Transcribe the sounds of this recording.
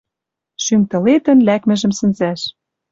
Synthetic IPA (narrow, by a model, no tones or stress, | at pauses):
ʃymt̪ɤ̆let̪ə̆nlækmɘ̆ʒɘ̆msɘ̆nzæʃ